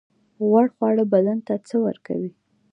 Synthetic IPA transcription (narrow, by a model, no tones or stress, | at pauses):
ɣwaɽxwɑɽəbalant̪at͡səwə̰ɾka̰wi